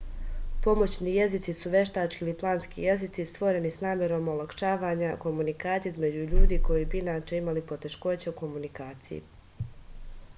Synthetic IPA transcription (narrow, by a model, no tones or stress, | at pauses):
po̞mo̞t͡ɕniːje̞zit̪sisuʋe̞ʃt̪aːt͡ʃkiliplˠaːnskḭje̞zit̪sist̪ʋo̞ɾe̞nisnaːmʲjeɾo̞molˠakʃaːʋaːɲako̞munikaːt̪sijizme̞d͡ʑuʎuːd̪iːko̞jibiinaːt͡ʃe̞imalipo̞t̪e̞ʃko̞t͡ɕeuko̞munikaːt̪sijḭ